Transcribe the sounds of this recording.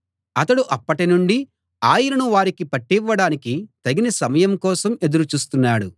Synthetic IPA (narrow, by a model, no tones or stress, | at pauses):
ɐt̪ɐɽuʔɐpːɐʈinuɳɖi | aːjiɾɐnuʋaːɾikipɐʈːiʋːɐɽaːnikit̪ɐɡinɐsɐmɐjɐmkɔːsɐme̞d̪uɾut͡ʃuːst̪unːaːɽu